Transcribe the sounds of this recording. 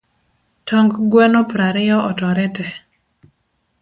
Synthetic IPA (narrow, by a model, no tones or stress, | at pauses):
tʰɔŋɡɡwɛnopɾaɾɪjɔɔtɔɾɛtɛ